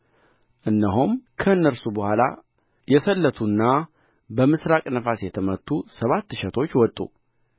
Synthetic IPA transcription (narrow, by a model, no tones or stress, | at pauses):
ʔɨnːəɦumkʰəɨnːəɾsubəhʷala̰ | jɛsəlːət̪ʰunːa | bəmɨsɾakʼnəfasjɛt̪ʰəmət̪ʰːusəβat̪ːɨʃɛt̪ʰo̞t͡ʃːwɔt̪ʼːṵ